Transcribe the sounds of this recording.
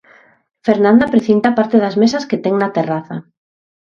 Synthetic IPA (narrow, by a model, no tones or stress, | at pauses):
feɾnãnd̪apɾeθint̪apaɾt̪eðazmesɐsket̪ɛŋnat̪eraθa